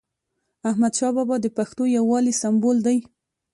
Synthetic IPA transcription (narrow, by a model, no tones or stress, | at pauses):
ahmad̪ʃɑbɑbɑd̪əpaxt̪ojawːɑlisambold̪aj